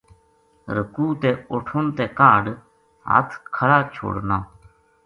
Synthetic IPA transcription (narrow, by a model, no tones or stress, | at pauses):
ɾəkuːt̪eːʊʈʰʊnt̪eːkaːɖ | ɦa̰ːt̪ʰkʰəɽaːt͡ʃʰo̰ːɽnaː